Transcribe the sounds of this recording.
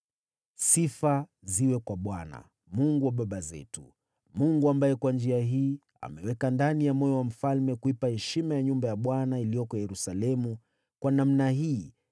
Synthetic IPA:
sifaziwɛkwaɓwana̰ | muŋɡuwaɓaɓazɛ̰tu̥ | muŋɡuambajɛkwand͡ʒiaɦiː | a̰mɛwɛkandanijamɔjɔwam̩falmɛkuipahɛʃimajaɲumbajaɓwanailijɔkɔjɛɾusalɛmu | kwanam̩naɦiː

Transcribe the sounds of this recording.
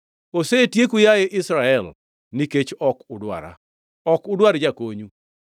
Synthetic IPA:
osetjekujajeʔɪsɾaɛl | niket͡ʃɔkʊdwa̰ɾa̰ | ɔkʊdwaɾd͡ʒakoɲu

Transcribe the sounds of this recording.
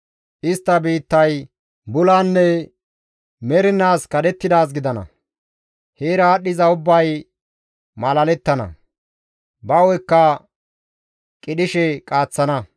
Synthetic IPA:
ʔɪst̪ːɐbiːt̪ːɐj | bʊlaːnːɛ | mɛɾɪnːaːskɐd̪ɛt̪ːɪd̪aːs̬ɡɪd̪ɐnɐ̰ | heːɾaːɗːɪzɐʊbːɐj | mɐlɐlɛt̪ːɐnɐ̰ | bɐwɔjkːɐ | kʼɪɗɪʃɛkʼaːt͡sːɐnɐ

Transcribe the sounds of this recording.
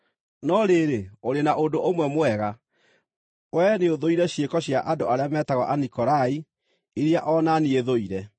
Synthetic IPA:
nɔɾeɾeoɾenaʔondoʔomwɛmowɛɣa | wɛneoðoiɾɛɕjekɔɕjaʔadoaɾeamɛtaɣɔʔanikɔɾai | iɾiaʔɔnanieðoiɾɛ

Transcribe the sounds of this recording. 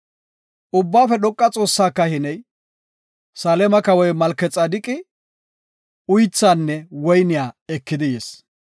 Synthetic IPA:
ʔʊbːaːfɛɗ̪ɔkʼːɐt͡sʼo̞ːsːaːkːɐhɪnɛj | saːlɛmɐkɐwɔjmɐlkːɛt͡sʼːad̪ɪkʼːɪ | ʊjt͡sːaːnːɛwɔjnɪjaːɛkːɪd̪ɪjeːs

